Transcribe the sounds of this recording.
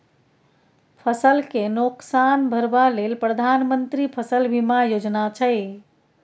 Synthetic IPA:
pʰəsəlkenoksanbʱəɾbalelpɾəd̪ʱanmənt̪ɾipʰəsəlbʱimajod͡ʒnat͡ʃʰəɪ

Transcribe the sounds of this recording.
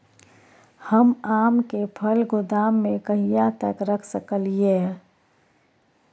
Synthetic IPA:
həmaːmkepʰəlɡʊd̪aːmːẽkəɦijat̪əkɾəkʰsəkəlije

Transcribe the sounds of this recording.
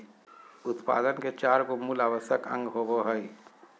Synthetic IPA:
ʊt̪pa̰ːd̪ənket͡ʃaːɾkomuːlaːʋəsəkə̰̃ŋɡɦoboɦəi

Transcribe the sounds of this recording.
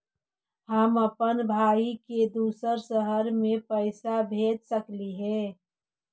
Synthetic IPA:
həməpənbʱaːiked̪uːsəɾsəɦəɾmẽpəɪsabʱeːd̪̚səkliɦɛ̃ː

